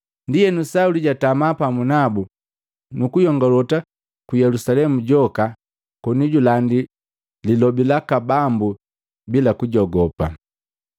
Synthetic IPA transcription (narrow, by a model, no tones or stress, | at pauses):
ndijɛnusauliɟatamapamunabu | nukujɔŋɡɔlɔta | kujɛlusalɛmuɟɔka | kɔniɟulandi | lilɔbilakabambu | bilakuɟɔɡɔpa̰